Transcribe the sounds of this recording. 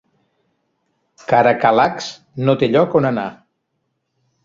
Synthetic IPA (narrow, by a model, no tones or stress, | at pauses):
kaɾəkalaks | not̪eʎɔkonəna